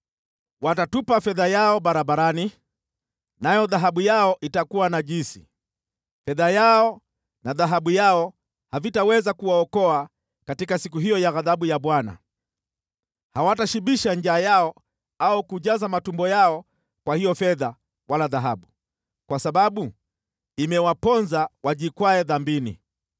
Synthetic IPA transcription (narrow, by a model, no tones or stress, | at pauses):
watatupafɛðajaɔɓaɾabaɾani | najɔðaɦaɓujaɔʔitakuwanaʄinsi | fɛðajaɔ | naðaɦaɓujaɔ | havitawɛzakuwaɔkɔa | katikasikuɦijɔjaɣaðaɓujaɓwana̰ | hawataʃiɓiʃand͡ʒaːjaɔ | aukuʄazamatumbɔjaɔ | kwahijɔfɛða | walaðaɦaɓu | kwasaɓaɓu | imɛwapɔnzawaʄikwaɛðambinḭ